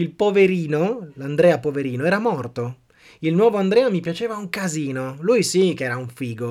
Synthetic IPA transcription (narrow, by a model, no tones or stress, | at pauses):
ilpoveɾiːnoland̪ɾɛːapoveɾiːnoɛːɾamɔrt̪o | ilnwɔːvoand̪ɾɛːamipjat͡ʃeːvauŋkaziːnoluːjsikɛːɾauɱfiːɡo